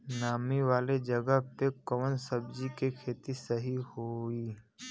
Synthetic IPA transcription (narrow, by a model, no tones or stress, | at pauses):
naːmiʋaːled͡ʒəɡəɦpekəʋənsəbd͡ʒikekʰeːt̪isəɦihoiː